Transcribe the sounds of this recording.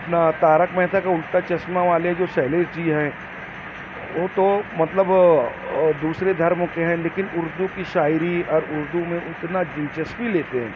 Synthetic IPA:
ɐpnat̪aːɾəkmɛɦt̪ʰakaʊlt̪at͡ʃɐsmaʋaːled͡ʒoːsɛːleːɾd͡ʒiɦɛ̃ː | ʋoːt̪omɐt̪ləb | d̪uːsɾed̪ʱɐɾmkeɦɛ̃leːkɪnʊɾd̪ukiʃaːjɾiɔːɾʊɾd̪umẽʔʊt̪nad͡ʒɪ̃nt͡ʃəsbileːt̪eɦɛ̰̃ː

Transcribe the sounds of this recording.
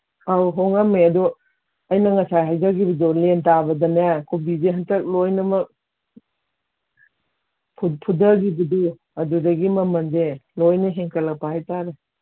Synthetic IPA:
awɦɔŋameɐdɔ | ɐjnɐŋɐsajɦajzaɡibɐdɔlentabɐdɐnajakʰubizeɦɐntɐk̚lojnɐmɐk̚ | pʰpʰudɐɡibɐdu | ɐdudɐɡimɐmɐnzelojnɐɦeŋkʰɐlɐpahajtaɾe

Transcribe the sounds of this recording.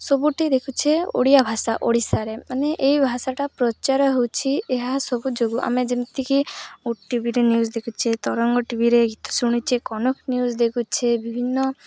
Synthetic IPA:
sɔbuʈid̪ekʰut͡ʃʰeo̰ɽijabʱasaʔo̰ɽisaɾemaneʔejbʱasaʈapɾɔt͡ʃaɾɔɦewt͡ʃʰieɦasɔbud͡ʒoɡuʔa̰med͡ʒemt̪ikiuʈibʱiɾenjuzd̪ekʰut͡ʃʰet̪ɔɾɔŋɡɔʈibʱiɾeɡʱit̪ɔ̥suɽ̃it͡ʃʰekɔnɔknjuzd̪ekʰut͡ʃʰebibʱinːɔ

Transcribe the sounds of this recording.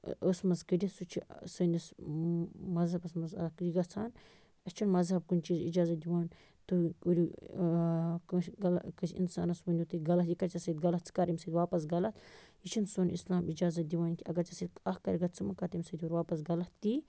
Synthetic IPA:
ʔəsmɐzkədʲisut͡ʃʰisənʲis | mɐzɦɐbɐsmɐzɐkjiɡɐt͡sʰaːn | ɐt͡ʃʰinmɐzɦɐb̚kunʲt͡ʃiːzḭd͡ʒaːzɐt̪̚d̪iwaːn | t̪ɨuɾi | kɡɐlkɐsḭnsa̰ːnɐsbɐnʲdʲut̪ɨɡɐlɐt̪jikɐɾt͡ʃɐsɐt̪ɡɐlɐt̪t͡sʰɨ̥kaːɾimʲsət̪ʲwaːpɐs̬ɡɐlɐt̪jit͡ʃʰinsoːnḭslaːmid͡ʒaːzɐt̪̚d̪ʲiwaːnkʲiɐɡɐɾt͡ʃɐsət̪ɐhkɐɾʲiɡɐt͡sʰɨmɐkat̪imʲsət̪ʰʲuɾʲwaːpɐsɡɐlɐt̪t̪i

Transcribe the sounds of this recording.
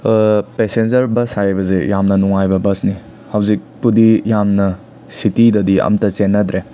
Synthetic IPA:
pesend͡ʒɐɾbɐsajbɐzejamnɐnuŋajbɐbɐsni | hɐwzik̚pudijamnɐ | sitidɐdiɐ̰mtɐsenːɐd̪ɾe

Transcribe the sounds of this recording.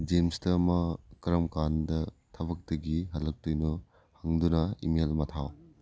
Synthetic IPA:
d͡ʒemstɐmɐkɐɾɐmkandɐtʰɐbɐk̚tɐɡiɦɐlːɐk̚tujnu | hɐŋdunɐḭmelmɐtʰaw

